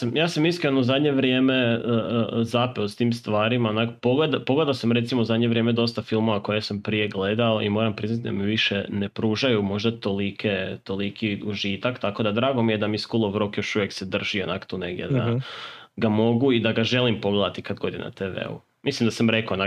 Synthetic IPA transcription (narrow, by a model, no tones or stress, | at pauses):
amjaːsamiskɾenouzad̪ɲe̞ʋɾje̞ːmeəəzapɛost̪iːmst̪ʋaːɾimaonakopoɡled̪apo̞ɡle̞d̪alsamɾe̞t̪simouzad̪ɲeʋɾʲje̞med̪o̞st̪afilˠmo̞ʋako̞jesampɾije̞ɡle̞d̪aoḭmo̞ːɾampɾiznat̪id̪a̰miʋiʃenepɾuːʒajumo̞ʒd̪at̪o̞likʰet̪o̞likʰiuʒit̪akt̪ako̞d̪ad̪ɾaːɡo̞mije̞d̪amiskulˠoʋɾokjo̞ʃuʋjeksed̪r̩ʒ̥io̞nakt̪one̞̰ɡdʲjḛd̪a̰ | ɡamo̞ɡuid̪aɡaʒe̞limpo̞ɡle̞d̪at̪ikad̪ɡo̞d̪ina̰t̪eʋḛṵ | mislimd̪asamɾekona